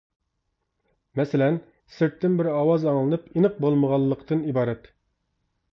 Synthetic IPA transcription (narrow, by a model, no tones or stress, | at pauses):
mɛsɪlɛn | sɪɾt̪ːɪnbɪɾɑwɑzɑŋlˠɨnɨpinɨq̚bolˠməʁɑlˠːəqt̪ʰɨnibɑːɾɛt̪